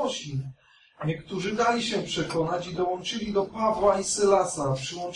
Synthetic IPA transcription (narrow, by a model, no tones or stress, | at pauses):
ɔɕi | ɲɛkt̪uʐɘd̪alʲiɕɛpʂɛkɔnat͡ɕid̪ɔwɔ̃nt͡ʂɘlʲid̪ɔpavwaisɘlasapʂɘwɔ̃nt͡ʂ